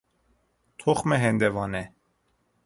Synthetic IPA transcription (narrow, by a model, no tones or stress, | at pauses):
t̪ʰoχmɛɦɛnd̪ɛvɑːnɛ